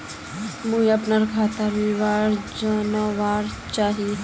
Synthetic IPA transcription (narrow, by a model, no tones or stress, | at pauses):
mũːiɐpnəɾkʰaːt̪aʋiʋaːɾd͡ʒanaʋaːɾt͡ʃaːɦi